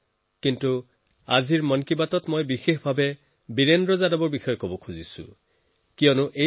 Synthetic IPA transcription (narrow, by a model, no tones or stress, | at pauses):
kintu | azʱiɹmɔnkibatɔtmojbixexbʱabɛ | biɹendɹɔzadɔbɔɹbixɔjɔkobɔkʰuzisʊ̰ | kijɔnʊʔe